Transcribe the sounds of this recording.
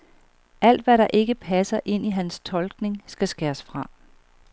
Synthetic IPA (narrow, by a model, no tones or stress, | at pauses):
ʔæl̰d̥ʋæɾɑ̈ʔe̝ɡ̥əpʰæsɐʔe̝n̰iɦænst͡sʰɒ̽lɡ̥ne̝ŋsɡ̥æsɡ̥æːɐsfʁɑ̈